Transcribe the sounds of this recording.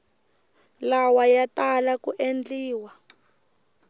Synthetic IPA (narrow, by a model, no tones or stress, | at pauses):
lawajatalakuʔend͡ɮiːwa